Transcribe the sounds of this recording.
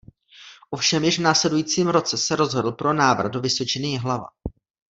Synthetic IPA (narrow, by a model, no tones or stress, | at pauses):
ʔo̞fʃɛmjɪʒvnaːslɛdujiːt͡siːmɾo̞t͡sɛsɛɾo̞zɦodl̩ˠpɾo̞naːvr̩ɣdo̞vɪso̞t͡ʃɪnɪɦlava̰